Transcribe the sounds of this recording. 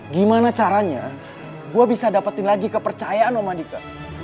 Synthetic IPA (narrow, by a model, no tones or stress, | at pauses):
ɡimanat͡ʃaɾaɲa̰ | ɡuabisadapat̪ɪnlaɡikəpərt͡ʃajaanomandika